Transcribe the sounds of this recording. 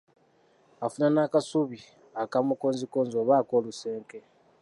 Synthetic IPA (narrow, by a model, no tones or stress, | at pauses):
afunanakasuβi | akamukoːnzikoːnzoβaːko̞ːluse̞ːŋke̞